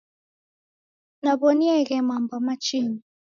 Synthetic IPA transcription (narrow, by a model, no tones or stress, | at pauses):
nabɔniɛɣɛmambɔmat͡ʃiɲi